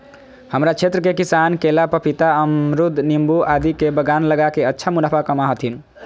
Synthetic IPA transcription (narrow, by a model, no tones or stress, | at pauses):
həmɾat͡ʃʰet̪ɾəkekisankelapəpit̪aəmɾud̪ʱnimbuʔad̪ikebəɡanləɡakeətːʃʰamulapʰakəmaɦət̪ʰin